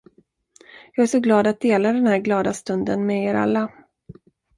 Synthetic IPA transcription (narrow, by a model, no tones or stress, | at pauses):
jɑːɡæʂɔɡlɑːd̪at̪̚d̪eːlad̪ɛnhæːɾɡlɑːd̪ast̪ɵnd̪ənmɛeːɾa̰lːa